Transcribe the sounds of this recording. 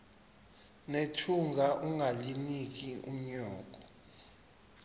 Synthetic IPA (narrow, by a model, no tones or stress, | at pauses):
netʰuŋɡʱaʔuŋɡʱalinik̬iṵm̩ɲɔːk̬ʼɔ